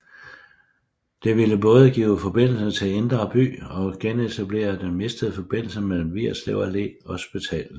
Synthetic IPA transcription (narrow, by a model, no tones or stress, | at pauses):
d̥e̝ʋiləb̥ɔ̽ːð̞ˠəɡ̥ḭːʊfɒ̽b̥e̝n̰l̩sɐt͡sʰe̝end̥ʁɐb̥y̰ːɒ̽ɡ̥enet͡sʰæb̥le̝̰ːɐd̥enme̝sd̥əð̩ˠəfɒ̽b̥e̝n̰l̩sɐmel̰m̩ʋiɐsleʊɐle̝̰ɒ̽sb̥it͡sʰɛ̰ːl